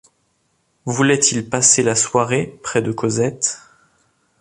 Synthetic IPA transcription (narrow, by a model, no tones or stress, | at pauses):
vulɛt̪ilpaselaswaʁepχɛd̪əkozɛt̪